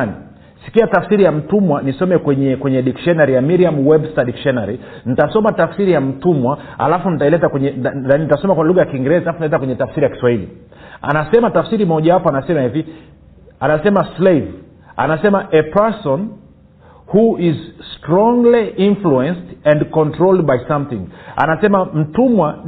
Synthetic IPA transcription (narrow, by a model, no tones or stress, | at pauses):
ni | si̥kiatafsiɾijam̩tumwanisɔmɛkwɛɲɛkwɛɲɛɗikʃɔnaɾijamiɾiamwɛbstaɗikʃɔnaɾi | nitasɔmatafsiɾijam̩tumwa | a̰lafunitailɛtakwɛɲɛaninitasɔmakwaluɣajakiŋɡɛɾɛzalafunialɛtakwɛɲɛtafsiɾijaki̥swailḭ | a̰nasɛmatafsiɾimɔʄawapɔanasɛmahivi | anasɛmaslev | a̰nasɛmaʔɛpɛsɔn | huʔizstɾɔŋɡliʔinfluɛnstɛ̃ndkɔntɾɔld̚bajsamθĩŋa̰nasɛmam̩tumwa